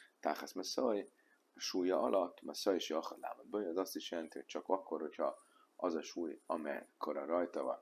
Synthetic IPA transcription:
t̪aːχɛsmɛsoj | ɒʃuːjːɒʔɒlʔɒt̪ːmɛsojeʃjɒχɒd̪la̰ːmod̪bøjːzɒst̪iʃjɛlɛnt̪iɦo̞c̚t͡ʃɒkɒkːo̞rho̞cʰhɒ | ɒzɒʃuːjɒmɛ̰kʰo̞ɾɒɾɒjt̪ɒvɒ̰n

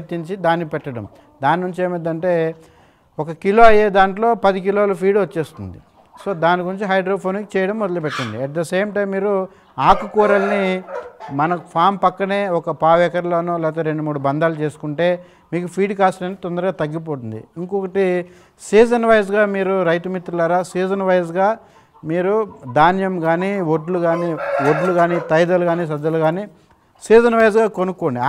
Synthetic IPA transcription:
t̪ːiɲt͡ʃid̪aːnipɛʈːɐɽɐ̰m | d̪aːninuɲt͡ʃeːmɐd̪ːɐɳʈe̞ː | ɔkɐkilo̞ːɐjeːd̪aːɳʈlo̞ːpɐd̪ik̬iloːlɐpʰiːɖʋɐt͡ʃːe̞ːst̪und̪ḭ | so̞ːd̪aːnikuɾiɲt͡ʃiɦɐjɖɾoːpʰoːnikt͡ʃɛːjɐɽɐmːɔd̪ɐlɐpɛʈːɐnd̪iɛʈ̚d̪ɐseːmʈɐjmːiːɾu | aːkukuːɾɐlni | mɐnɐpʰaːmpɐkːɐne̞ːɔkɐpaːʋɛːkɐɾloːnoːlɛːt̪̬ɐɾe̞ɳɖumuːɽubɐnd̪aːlut͡ʃe̞ːsu̥kuɳʈe̞ː | miːkupʰiːɖkaːsʈeɳ̚t̪ɔnd̪ɐɾuɡaːt̪ɐɡːip̬oːʈ̪und̪ḭiŋkokɐʈi | siːzɐnʋɐjzɡaːmiːɾuɾɐjt̪umit̪ɾulaːɾaːsiːd͡ʒɐnʋɐjzɡaː | miːɾud̪aːnjɐmɡaːniʋoɖluɡaːnioɖluɡaːnit̪ɐjd̪ɐluɡaːniːs̬ɐd̪ːɐluɡaːniː | siːd͡ʒɐnʋɐjzɡaːkonukːoːɳɖi

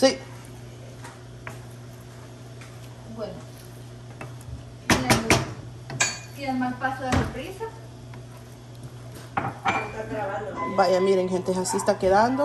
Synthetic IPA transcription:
si | bweno | ien | k̪eemalpasoðeseɾpɾisa | st̪aɡɾaβand̪obajamiɾeŋɦent̪easiest̪akeðand̪o

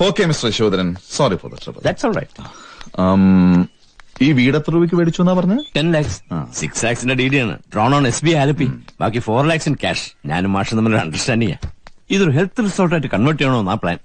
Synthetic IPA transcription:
oːkːeːmisʈɐɾɕoːd̪ɐɾɐnsaːɾifʰo̰ːd̪ɐ̰ʈɐ̰pɐ̰d̪æʈsoːlrɐ̰jʈː | m | iːʋiːɽɐt̪ːeɾuːbik̬ʲːɨʋeːɽit͡ɕːuenːaːpɐrɐɲːaːʈenlaːkssikslaːksindeɖiːɖiaːɳɨ̰ɖroːɳoːɳesbiaːlɐpːiba̰ːkːifoːrlaːksinɨkʲa̰ːʂɲa̰ːnumːaːʂɐnɐmːɐloɽɾɐ̰ɳɖɐrsʈaːnɖiŋja̰ːiðoɾɦelt̪ːilisoːlʈaːjʈːɨkɐɳʋɐrʈ̬ːeːɳoːenːaːpɭa̰ːn

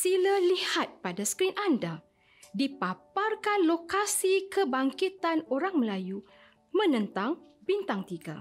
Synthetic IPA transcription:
siləlihat̪̚padaskɾinʔanda | dipaparkanlokasikəbaŋkit̪anoɾaŋməlaju | mə̃nə̃nt̪aŋbint̪aŋt̪iɡa̰

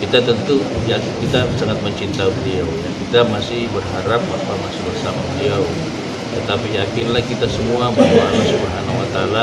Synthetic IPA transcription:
kit̪at̪ənt̪ujakkit̪asaŋat̪̚məɲt͡ʃint̪aubəliawjakit̪amasɪhbərɦaɾap̚bapamasɪhbərsamabəliaw | t̪ət̪apijakɪnlahkit̪asəmuamaualasupəɦanwat̪ala

